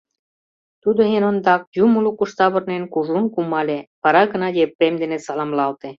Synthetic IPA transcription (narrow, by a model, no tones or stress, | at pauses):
t̪ud̪oɦenond̪ɑk̚jumulukuʃt̪ɑβɤ̆rnenkuʒunkumɑlʲepɑɾɑɡə̆nɑjepremd̪enesɑlɑmlɑlt̪e